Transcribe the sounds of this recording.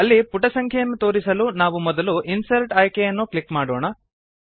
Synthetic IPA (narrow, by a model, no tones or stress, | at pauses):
ɐlːipuʈɐsɐŋkʰjɐjɐnːut̪o̞ːɾisɐlunaːʋumɔd̪ɐluʔinsɐɾʈaːjkejɐnːuklikmaːɽɔːɳɐ